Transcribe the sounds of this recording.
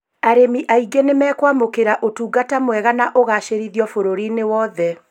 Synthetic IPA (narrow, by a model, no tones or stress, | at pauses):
aɾemiʔaiɡenemɛːkwamokeɾaʔotuːɡatamwɛɣanaʔoɣaʃeɾiðiɔfoɾoɾinewɔðɛ